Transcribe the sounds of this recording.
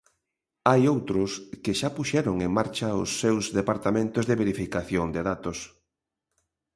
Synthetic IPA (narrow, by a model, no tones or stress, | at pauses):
ajowt̪ɾʊskɪʃapuʃɛɾʊŋeŋmaɾt͡ʃɐʊsːewzðepaɾt̪amẽnt̪ʊzðeβeɾifikaθjoŋd̪eðat̪os